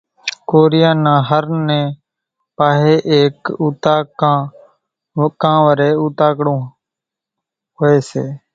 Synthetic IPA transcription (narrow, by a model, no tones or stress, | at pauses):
koːɾɪjãːnãːɦəɾnɛ̃ː | paːɦeːʔeːkuːt̪aːkãː | kãːʋəɾeːuːt̪aːkɽõː | ɦoːeːsḛː